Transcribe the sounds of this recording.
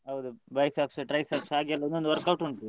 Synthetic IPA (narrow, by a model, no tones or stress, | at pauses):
ɦɐʋd̪ubɐjsaːpsɨʈɾɐjsaːpsaːɡjɐlɐond̪ond̪uʋɐɾkɐwʈuɳʈu